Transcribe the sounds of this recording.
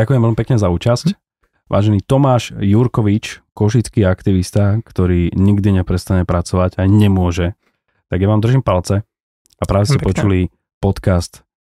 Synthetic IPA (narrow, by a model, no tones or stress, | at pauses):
akʊjɛmʋɛlmipɛkɲɛzauːt͡ʃasc | ʋʔa̰ːʒɛniːt̪ɔmaːʃjuɾkɔʋit͡ʃkɔʃit͡skiːakt̪iʋist̪akt̪ɔɾiːɲiɡd̪iɲɛpɾɛst̪aɲɛpɾat͡sɔʋaɟaɲɛmʊɔʒɛ | t̪aɡjaʋaːmd̪r̩ʒiːmpalt͡sɛ | apɾaːʋɛstcɛpɔt͡ʃuli | pɔt̪kast̪